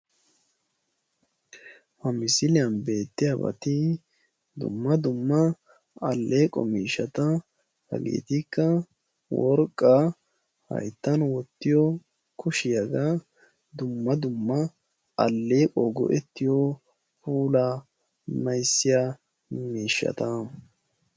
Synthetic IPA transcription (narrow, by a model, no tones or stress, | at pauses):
hɐmɪsɪlɪjɐnbe̞ːt̪ːɪjabɐ̰t̪ɪ | d̪ʊ̰mːɐd̪ʊmːɐ | ɐlːeːkʼɔ̰miːʃɐt̪ɐ | hɐ̰ɡḛːt̪ɪkːɐ | wɔɾkʼːa | hɐ̰jt̪ːɐnwɔt̪ːɪjɔ | kʊʃɪjɐɡa | d̪ʊmːɐd̪ʊmːɐ | ɐlːeːkʼɔɡɔ̰ʔɛt̪ːɪjɔ | puːla | mɐjsːɪja | miːʃːɐ̰t̪ɐ